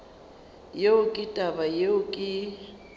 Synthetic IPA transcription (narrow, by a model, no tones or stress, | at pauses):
jeʊkʼɪtʼabajeʊkʼɪ